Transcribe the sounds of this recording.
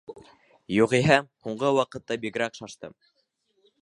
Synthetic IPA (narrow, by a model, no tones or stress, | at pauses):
juʁiɦæhuɴɢɤwɑqɤ̆t̪ːɑbikɾækʃɑʃt̪ɤ̰m